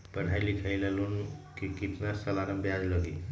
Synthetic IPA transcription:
pəɽ̤ɦajlikʰəjlalunkekit̪nasəlaɾəmbjad͡ʒləɡi

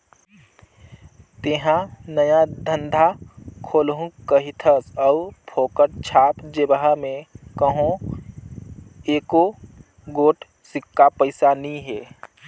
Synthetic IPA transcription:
t̪eɦãnəjad̪ʱə̃nd̪ʱakʰoːlɦũkəɦit̪ʰəsɐupʰoːkəʈ̚t͡ʃʰaːpd͡ʒebəɦamẽkəɦõ | eːko | ɡoːʈʰ | sɪkːapəɪsanĩɦeː

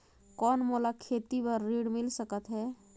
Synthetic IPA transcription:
kɔːnmolakʰet̪ibəɾːiɽmilsəkət̪ɦɛː

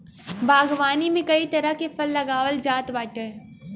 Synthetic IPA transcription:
baːɡʋaːnimẽkɐit̪ɐɾəɦkefʰɐlːɐɡaːʋəld͡ʒaːt̪baːʈəɦ

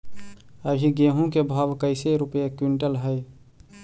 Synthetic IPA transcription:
əɡʱiɡẽːɦũkebʱaːʋkəɪseɾʊpjekwɪɳʈəlɦəj

